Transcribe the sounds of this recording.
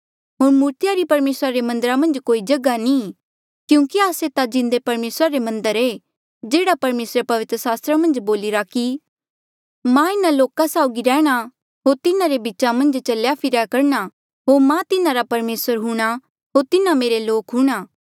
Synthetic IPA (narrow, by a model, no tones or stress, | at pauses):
ɦoːɾmuːɾt̪ɪjaɾipɐɾmeːsɾaɾemɐ̃nd̪əɾamɐ̃nd͡ʒkoːid͡ʒɐɡani | kjũːkiaːset̪ad͡ʒɪ̃nd̪epɐɾmeːsɾaɾemɐ̃nd̪əɾe | d͡ʒeːɽapɐɾmeːsɾepɐʋɪt̪ɾəsaːst̪ɾamɐ̃nd͡ʒboːliɾaki | mãɪnaloːkasaːʊɡiɾɛːɽ̃a | ɦoːɾt̪ɪnãɾebɪt͡ʃamɐ̃nd͡ʒt͡ʃɐljapʰɪɾakɐɾɳ̃a | ɦoːɾmãt̪ɪnãɾapɐɾmeːsəɾɦʊɽ̃a | ɦoːɾt̪ɪnãmeːɾeloːkɦũɽ̃aː